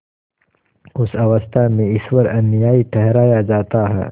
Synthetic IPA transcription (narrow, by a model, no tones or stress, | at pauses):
ʊsɐʋəst̪ʰamẽɪswɐɾɐnijaːiʈʰɛɦɾaːjad͡ʒaːt̪aɦɛ̰ː